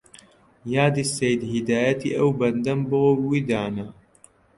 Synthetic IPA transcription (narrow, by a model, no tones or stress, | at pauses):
jaːd̪isejd̪hid̪aːjɐt̪ḭʔɐwbɐnd̪ɐmboowid̪aːnɐ